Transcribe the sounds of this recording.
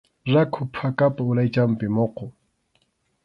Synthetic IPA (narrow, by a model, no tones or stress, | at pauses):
rakʰʊpʰakʼapʼaʊlait͡ʃʼam̩pʼɪmʊːqɔ